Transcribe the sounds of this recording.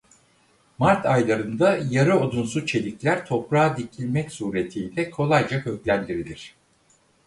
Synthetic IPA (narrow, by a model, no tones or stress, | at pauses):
maɾt̪ʰajlˠaɾɯnd̪ajaɾɯod̪unsut͡ʃʰe̞lʲiclʲæɾt̪ʰo̞pɾaːd̪icʰilʲmɛcsuɾe̞t̪ʰiːd̪ɛkʰo̞lˠajd͡ʒakø̞clʲænd̪iɾilʲiɾ̝̥